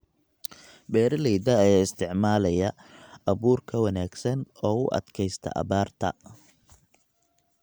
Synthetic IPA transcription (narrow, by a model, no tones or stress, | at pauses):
bɛːɾɐlɛjd̪ɐːjaːɪst̪ʰɪʕmaːlɐjɐɐβuːrkʰɐwɑnaːɡsɐnɔːʊʔɐ̰d̪kʰɛjst̪ʰɐ̰ʔɐ̰βaːrt̪ʰɐ̰